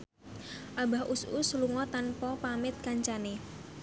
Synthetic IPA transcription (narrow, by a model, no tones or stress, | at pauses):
ʔabahʔususluŋɔt̪anpɔpamɪt̪̚kaɲt͡ʃane